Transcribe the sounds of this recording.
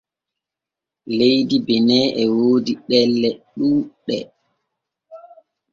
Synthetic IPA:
lejdibɛnɛːʔɛwoːdiɗɛlːɛɗuːɗɛ

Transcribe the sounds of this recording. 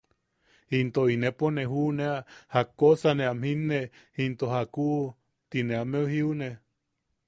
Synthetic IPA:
hint̪oineponeɦuneahakosaneamhinːe | hint̪ohakuʔ | t̪ineameuhiune

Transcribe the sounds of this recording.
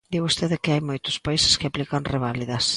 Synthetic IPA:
d̪iwost̪eðɪkɪajmojt̪ʊ̥spaisɪ̥skɪaplikanreβ̞aliðɐs

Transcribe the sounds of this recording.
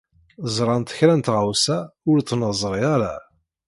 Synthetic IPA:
zˤɾˤɑnt̪ə̥çɾænt̪ʁawsæʊɾt͡s̪ːnəzˤɾˤiaɾˤa

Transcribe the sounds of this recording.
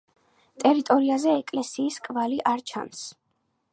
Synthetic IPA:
t̪ʼɛɾit̪ʼɔɾiazɛːkʼlɛsiːskʼvaliʔaɾt͡ʃʰa̰ns

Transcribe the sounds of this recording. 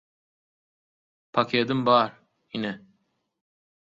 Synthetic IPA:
pʰakʲʰeːd̪ɯmbɑːɾ | inɛ

